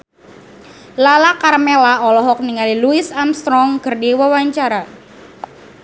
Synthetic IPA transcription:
lalakarmelaɔlɔɦɔk̚niŋaliluisamst̪ɾɔŋɡərdiwawaɲt͡ʃaɾa

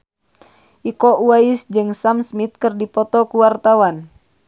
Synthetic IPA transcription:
ʔikɔʔuaisd͡ʒɨŋsamsmit̪̚kɨrdipɔt̪ɔkuwart̪awan

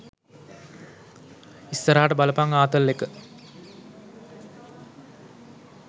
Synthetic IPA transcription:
ist̪ɐɾaːʈəbɐləpaŋaːt̪əlːekːə

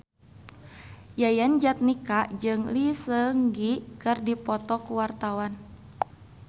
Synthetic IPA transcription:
jajand͡ʒat̪̚nikaʔd͡ʒɨŋlisəŋɡikɨrdipɔt̪ɔkuwart̪awan

